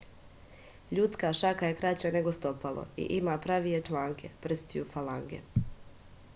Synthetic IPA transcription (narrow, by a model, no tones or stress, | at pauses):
ʎut̪skaʃakaje̞kɾat͡ɕane̞ɡost̪opalˠo̰ḭʔimaːpɾaʋije̞t͡ʃlˠaːŋkʰe̞prɾ̩st̪ijufalaŋɡḛ